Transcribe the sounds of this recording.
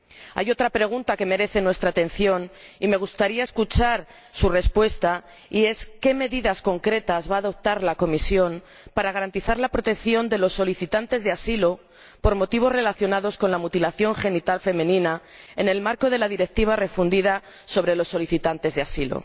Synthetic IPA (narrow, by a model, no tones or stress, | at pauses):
a̰jo̞t̪ɾapɾe̞ɣ̞unt̪ake̞me̞ɾe̞θe̞nwe̞st̪ɾaːt̪ẽ̞n̟θjo̞nime̞ɣ̞ust̪aɾiae̞skut͡ʃaɾ | sure̞spwe̞st̪a | ie̞ske̞me̞ðiðasko̞ŋkɾe̞t̪azβaːðo̞p̚t̪aɾlako̞misjo̞m | paɾaɣaɾant̪iθaɾlapɾo̞t̪e̞kθjo̞nd̪e̞lo̞sːo̞liθit̪ant̪e̞zðeasilo̞ | po̞ɾmo̞t̪iβ̞o̞zre̞laθjo̞naðo̞sko̞nlamut̪ilaθjo̞ŋxe̞nit̪alfe̞mẽ̞nĩna | e̞ne̞lmaɾko̞ð̞e̞laðiɾe̞k̚t̪iβ̞are̞fund̪iða | so̞β̞ɾe̞lo̞sːo̞liθit̪ant̪e̞zðeasilo̰